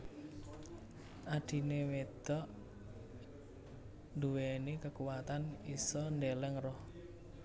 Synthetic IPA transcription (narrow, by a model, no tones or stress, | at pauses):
ʔaɖ̥i̤newed̪̥ɔʔ | nd̪uwenikəkuwat̪anisɔnd̪elɛŋrɔh